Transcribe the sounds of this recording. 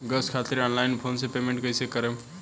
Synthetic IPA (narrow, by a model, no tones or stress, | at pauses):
ɡəskʰat̪iɾɔnlajnpʰonsepemẽɳʈkəjsekəɾe